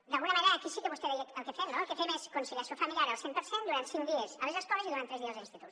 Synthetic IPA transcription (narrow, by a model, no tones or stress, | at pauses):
d̪alˠɣunɐmaneɾaːkisikeβust̪eðeəlˠkefemnoelˠkefemeskonsiʎasjofamiljaɾəlˠsempəɾsend̪uɾant̪siŋd̪iezaβezðəskɔβeziðuɾant̪ɾɛzðiɐzlinst̪it̪ut̪